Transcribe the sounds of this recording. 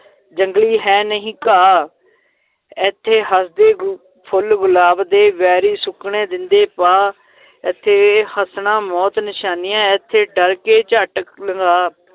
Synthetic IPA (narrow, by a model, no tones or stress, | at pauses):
d͡ʒəŋɡliːɦɛːnəɦĩːkaː | ɛt̪ʰːeːɦəsd̪eː | pʰʊlɡʊlaːbd̪eːʋɛːɾiːsʊkɳẽːd̪ɪnd̪eːpaː | ɪt̪ʰːeːhəsnãːmɔːt̪nɪʃaːnɪjãːɪt̪ʰːeːɖəɾkeːt͡ʃəʈləŋɡaː